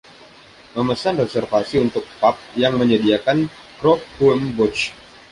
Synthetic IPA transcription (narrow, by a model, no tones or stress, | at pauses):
məməsanrɛsɛrfasiunt̪ʊk̚pap̚jaŋməɲədiakan | kɾɔk̚huəmbɔt͡ʃ